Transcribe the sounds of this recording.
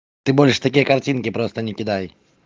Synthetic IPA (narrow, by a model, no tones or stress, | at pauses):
t̪ɨbolʲʂɨ̥t̪ɐkʲijəkɐrtʲinkʲɪpɾost̪ənʲɪkʲɪd̪aj